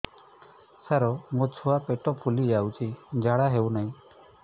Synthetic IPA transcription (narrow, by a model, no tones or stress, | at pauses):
saɾɔmot͡ʃʰɔapeʈɔpʰulid͡ʒawt͡ʃʰid͡ʒaɽaɦewnaɦĩ